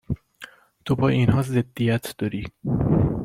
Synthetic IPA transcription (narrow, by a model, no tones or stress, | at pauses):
t̪ʰobʰɒːiːnɦɒːzed̪̥ːijæt̪ʰd̪̥ɒɾiː